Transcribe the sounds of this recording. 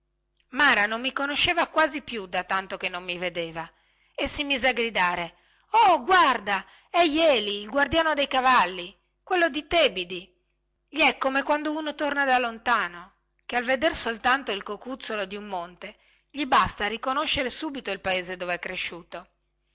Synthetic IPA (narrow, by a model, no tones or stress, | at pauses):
maːɾanomːikonoʃːeːvakwaːzipjud̪at̪ant̪okenːomːived̪eːva | esimiːzeaɡɾid̪aːɾe | ɔɡward̪a | ɛjɛːliːlɡward̪jaːnod̪ejkavalːi | kwelːod̪it̪ebid̪i | ʎiɛkːomekwand̪ounot̪ornad̪alːont̪aːno | kealved̪ersolt̪ant̪oilkokut̪solod̪iumːont̪e | ʎibast̪arikonoʃːeɾesuːbit̪oilpaeːzed̪oveɛkːɾeʃːuːt̪o